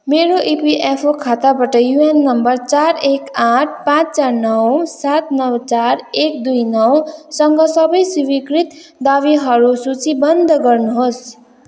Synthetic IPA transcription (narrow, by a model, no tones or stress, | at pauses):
meɾoʔipiʔepʰokʰat̪abʌʈʌjuenːʌmbʌrt͡saɾekãʈ̚ʰpãt͡st͡saɾnʌwsat̪nʌwt͡saɾek̚d̪ujnʌwsʌŋɡʌsʌbʌjsiwikɾit̪d̪aʋiɦʌɾusut͡sibʌnd̪ʱɡʌrnuɦos